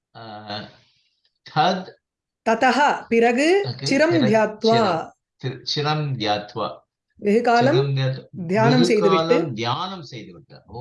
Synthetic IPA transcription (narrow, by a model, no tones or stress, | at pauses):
t̪ʰɐd̪ | t̪ɐt̪ɐɦɐpɪɾɐɡɯt͡ʃɪɾɐmd̪ʱjaːt̪ʋaː | t͡ʃiɾɐmd̪ʱjaːt̪ʰʋa̰ː | jeɦɯkaːlɐmɐmd̪ʱjaːt̪d̪ʱjaːnɐmset̪ɐʋiʈlːɯmd̪ʱjaːnɐmsejt̪uʋiʈːɐ